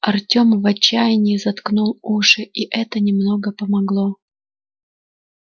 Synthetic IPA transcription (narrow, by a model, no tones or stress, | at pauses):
ɐrtʲo̞mvɐt͡ɕːæjɪnʲɪɪzɐt̪knulˠuʂɨʔiʔɛt̪ənʲɪmno̞ɡəpəmɐɡlˠo̞